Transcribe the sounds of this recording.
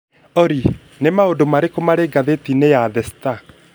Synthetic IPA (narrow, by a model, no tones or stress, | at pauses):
ɔɾi | nemaodomaɾekomaɾeɡaðetinejaðɛsta